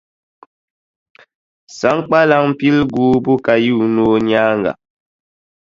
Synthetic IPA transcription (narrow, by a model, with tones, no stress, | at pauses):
sa˨˦ŋk͡pa˦la˦ŋm˦pi˦lɡuː˨˦bu˦ka˨ji˦˨u˨noː˦ɲaː˦ŋɡa̰˨